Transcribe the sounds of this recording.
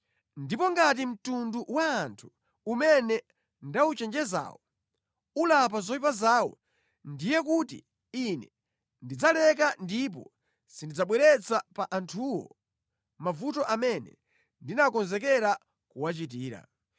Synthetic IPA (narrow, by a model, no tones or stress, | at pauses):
ndipɔŋɡat̬im̩tunduwaːntʰu̥ | umɛnɛ | ndaut͡ʃɛnd͡ʒɛza̰ːwɔ | ulapazɔwipazaːwɔ̰ | ndijɛk̬utḭ | inɛ | ndid͡zalɛkandip̬ɔ | sindid͡zaɓwɛɾɛt͡sapaʔantʰuwɔ̰ | mavutɔʔamɛnɛ̰ | ndinakɔnzɛkɛɾa | kuwat͡ʃit̬iːɾa̰